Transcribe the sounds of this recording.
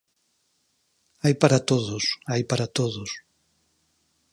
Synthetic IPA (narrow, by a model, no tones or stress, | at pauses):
ajpaɾɐt̪oðʊsajpaɾat̪oðʊs